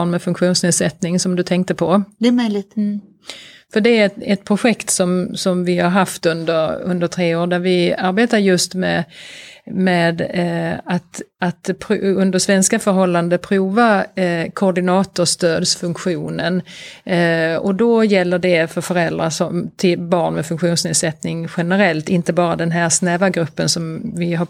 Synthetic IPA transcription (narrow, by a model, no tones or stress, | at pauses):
nmɛfɵŋkɧuːnsneːd̪sɛt̪nɪŋsɔmd̪ɵt̪ʰɛŋk̚t̪əpʰɔd̪ɛmœjlɪt̪ | fœɖɛæɛt̪̚pʰɾʊɧɛkt̪sɔmsɔmvɪhaɾɦaft̪ɵnd̪əɾɵ̰nd̪əʈ̪ʰɾeːoːɾd̪æɾvɪaɾbeːt̪aɾjɵst̪mɛ | mɛːd̪at̪at̪pʰɾɵnd̪əʂvɛnskafœɾɦɔlːand̪əpʰɾuːvakʰɔːɖɪnɑːt̪ʊʂt̪øːd̪sfɵŋkɧuːnən | ɔd̪ɔjɛlːəɖɛfœɾfœɾɛld̪ɾasɔmt̪ʰɪlbɑːɳmɛfɵŋkɧuːnsneːd̪sɛt̪nɪŋɧɛnəɾɛlt̪ɪnt̪əbɑːɾad̪ɛnɦæɾsnɛːvaɡɾɵpːənsɔmvɪɦa